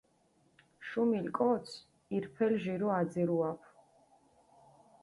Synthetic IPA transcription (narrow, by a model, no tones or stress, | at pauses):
ʃumilkʼɔt̪sʰ | iɾpʰɛlʒiɾuad̪ziɾuapʰ